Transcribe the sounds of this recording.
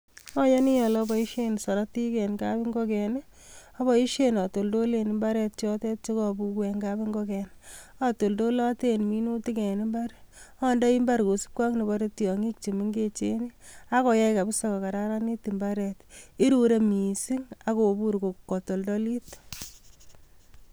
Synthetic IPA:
ɔ˦je˦ni˦jɔ˨lɔbɔ˨i˦ʃe˦nsɔ˨ɾa˦ti˦kɛ˨nkabi˦ŋɡɔ˦kɛ˨n˦ | ɔ˦bɔ˨i˦ʃe˦nɔ˨to˨ldo˦le˨ni˨mba˦ɾɛ˨t̚t͡ʃɔ˦te˦t̚t͡ʃe˦kɔ˨bu˧kwɛ˨ŋɡabi˦ŋɡɔ˦kɛn | ɔ˦to˨ldo˦lɔ˦te˦nmi˦nu˦ti˦kɛ˨ni˦mba˦ɾɔ˦ndɔ˦i˦mba˦ɾko˨si̥˦p̚kʷwa˦kne˨baɾe˦tjɔ˨ŋi˦k̚t͡ʃi˨mi˦ŋɡe˦t͡ʃe˦ni˦a˦kɔ˨jɛ˦ka˨bi˦sɔ˦kɔ˨ka˨ɾa˦ɾa˦ni˦ti˨mba˦ɾɛ˨ti˦ɾu˦ɾe˦mi˨si˦ŋa˨ko˨bu˦ɾko˨kːɔ˨to˨ldo˦li˦t

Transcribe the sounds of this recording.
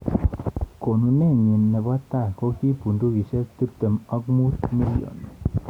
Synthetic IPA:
ko˨nu˨nɛ˦˨ɲi˨nːɛ˨ba˦t̪a˦˨kɔ˦ki˦pu˨ndu˦ki˨se˦t̪i˦p̚t̪ə˨mɔ˦ɡmu˦t̪mi˦lio̰˨n

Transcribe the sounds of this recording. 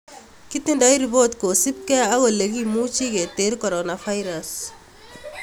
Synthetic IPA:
ki˦t̪i˦nda˦jɾi˨bo˦t̪ko˨si˦p̚kɛ˦a˦ɣɔ˨le˨kimu˦t͡ʃi˦ke˨t̪e˦ɾkɔ˨ɾonafa˦jɾas

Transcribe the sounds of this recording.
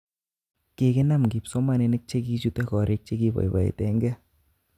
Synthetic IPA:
ke˨kɪ˦na˦mki˨psɔ˦ma˨ne˧nɪ˦k̚t͡ʃe˦ki˦t͡ʃu˦tɛ˦kɔ˨ɾe˦k̚t͡ʃe˦ki˦bɔ̰˨jba̰˨ḛ˨tɛ˦ŋɡɛ˦

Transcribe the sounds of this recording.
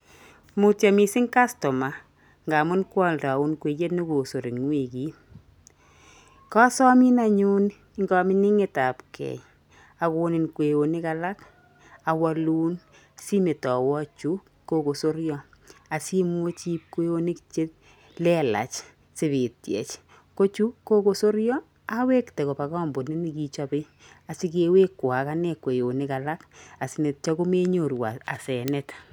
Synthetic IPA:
mu˨tja˨mi˨sɪ˦ŋka˦stɔ˨ma˨ | ŋɡa˨mʊ˦nkwɔ˦lta˨u˦nkwe˨t͡ʃe˦tni˦ko˨so˨ɾi˨ŋwe˨ki˦ | kɔ˦sɔ˦mi˦na˦ɲu˦n | ŋɡɔ˦mɪ˦ni˦ŋe˨ta˨pkʰɛ̰˨j | a˨ko˧nɪ˨nkwe˨o˨ni˦ka˦la˦k | a˨wa˧luː˦n | si˦me˨tɔ˨wɔ˦t͡ʃu˦k | kːo˦ko˨so˦ɾjɔ˦ | a˨si˦mwo˦t͡ʃi˦p̚ke˦o˦ni˦kt͡ʃe˦t̚ | lɛ˦la̰˨t͡ʃ | sɪ˦˨βɪ˨t̚jɛ̰˨t͡ʃ | ko˦t͡ʃu˦kːo˦ko˦so˦ɾjɔ˦ | a˦we˦ktɛ˨ko˨pa˨kɔː˦mbo˨nɪ˦ni˦˨ki˦t͡ʃɔ˦pɪ˦ | a˨si˦ke˦we˦kːwa˨ka˦nɛ˦˨kwe˨o˨nɪ˦ka˨la˦ka˨sɪ˨ne˨t̚t͡ʃɔ˦kʊ˦me˦ɲo˨ɾwa˨a̰˨sɛ˨nɛ˦t

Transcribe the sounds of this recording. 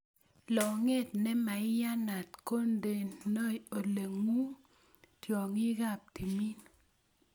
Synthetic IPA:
lɔ˨ŋe˦˨t̚nɛ˦ma˨ɪ˦ja˦na˨tko˦nde˨nno˦o˨le˨ŋu˦ | tjɔ˨ŋɪ˦ɡa˦˨p̚ti˨mi˦n˨

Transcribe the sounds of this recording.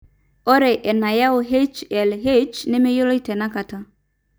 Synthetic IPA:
ɔ˦ɾe˨ʔɛ˨na˨ja˦ʊ˨ɦe˦t͡ʃɛ˨lɦe˦t͡ʃnɪ˦me˦jʊ˦lo˦i˦tɛ˨na˦ka˨ta˦

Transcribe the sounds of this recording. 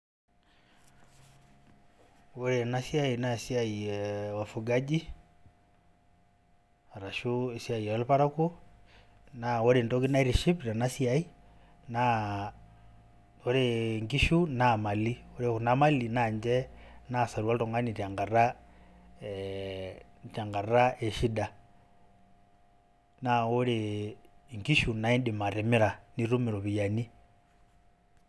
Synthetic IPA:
woɾe˨nasja˦i˨na˦esja˦iɛwa˨fuɡa˦d͡ʒi˦ | a˨ɾa˨ʃu˦e˨sja˨i˨ɛ˨lpa˦ɾa˦ku˦ | nawo˦ɾe˨ndɔ˦ki˦na˦i˦ɾi˨ʃi˦pɾa˨na˦sja˨i˦ | na | o˦ɾe˨ŋɡi˦ʃu˦nama˨lioɾeɣunama˦linaɲd͡ʒɛnasa˨ɾiwa˦lto˨ŋɡa˦nita˨ŋɡa˨ra | ta˨ŋɡa˨ɾa˦e˨ʃi˦da | nao˦ɾe | ŋɡi˦ʃu˨na˦i˦ndi˨ma˨ɾe˨mi˦ɾa˨ni˦ɾu˦mi˨ɾɔβi˨ja˨ni˦

